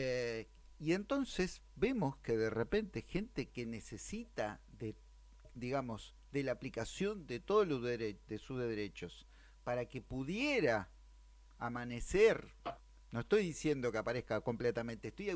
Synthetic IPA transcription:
e | ie̞nt̪o̞nse̞s | be̞mo̞skeðerepe̞nt̪e̞xe̞nt̪e̞ke̞ne̞se̞sit̪aðe | d̪iɣamo̞s | ðelaːplikasjo̞nd̪et̪o̞ðoloeɾed̪esuzðeðeɾet͡ʃo̞s | paɾake̞puðjeɾaː | maneseɾ | nosest̪o̞jðisje̞nd̪o̞keapaɾehkako̞mplet̪ament̪eest̪oja

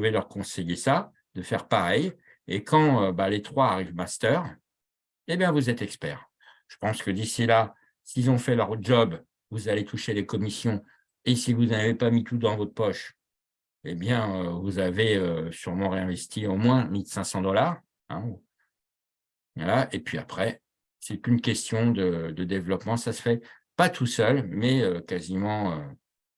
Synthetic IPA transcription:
velœʁkɔ̃sejesa | d̪əfɛʁpaʁɛj | ekʰɑ̃øbalet̪χwaːʁivmast̪œʁ | ebjɛ̃vuzɛt̪ɛkspɛ̰ːʁ | ʒ̥ə̥pɑ̃skəd̪isila | silzɔ̃fɛlœʁʒɔb | vuzalet̪ʰuʃelekɔmisjɔ̃ | esivuzavepamit̪ʰud̪ɑ̃vɔt̪χpɔʃ | ebjɛ̃øvuzaveøsyʁmɑ̃ʁeɛ̃vɛst̪ʰiomwɛ̃milsɛ̃sɑ̃d̪ɔlaːʁ | ɛ̃ | valaʔepɥiapχɛ | sɛt̪ynkʲɛst̪jɔ̃d̪əd̪əd̪evlɔpmɑ̃sasə̥fɛ | pat̪ʰusœlmɛøkazimɑ̃ø

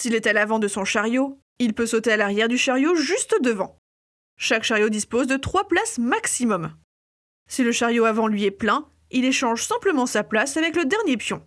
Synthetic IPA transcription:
silɛt̪alavɑ̃d̪əsɔ̃ʃaʁjo | ilpøsot̪ealaʁjɛʁd̪yʃaʁjoʒyst̪d̪əvɑ̃ | ʃakʃaʁjod̪ispozd̪ət̪χwaplasmaksimɔm | siləʃaʁjoavɑ̃lɥiɛplɛ̃ | ileʃɑ̃ʒsɛ̃pləmɑ̃saplasavɛkləd̪ɛʁnjepjɔ̃

